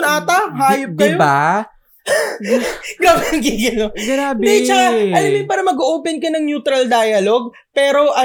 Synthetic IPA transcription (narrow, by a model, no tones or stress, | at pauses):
naːt̪ɐhaːjʊp̚dk̪ɐɪjoba | ɡawɐnkɪɡɐnoɡɾaːbd̪it͡ʃɐaɐlɐmjɪpaːɾɐmɐɡoʔoːpɛnkɐnɐŋnjuːt̪ɾɐld̪aːjɐloɡ̚ | pɛːɾo̞ʔɐ